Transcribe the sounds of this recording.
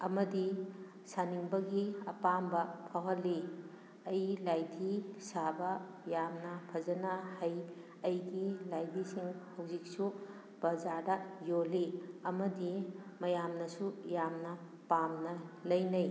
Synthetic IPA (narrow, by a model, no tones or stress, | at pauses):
ɐmɐdi | saniŋbɐɡiɐpambɐpʰawɦɐlːi | ɐjlajdisabɐ | jamnɐpʰɐzɐnɐhɐj | ɐjɡilajdisiŋhɐwzik̚su | bɐzaɾdɐjoliɐmɐdimɐjamnɐsujamnɐ | pamnɐlɐjnɐj